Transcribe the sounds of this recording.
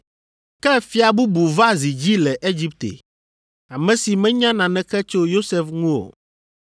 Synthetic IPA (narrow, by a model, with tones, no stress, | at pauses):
kɛ˦fi˦a˨bu˦bu˨va˦zi˨d͡ʑi˦lɛ˨ʔe˦d͡ʑi˦p̚t̪ḛ˨ | a˨mɛ̃˨si˨mɛ̃˦ɲã˦nã˨nɛ̃˨kɛ˦t͡ʃo˦jo˦sɛ˦fŋũ˦o̰˨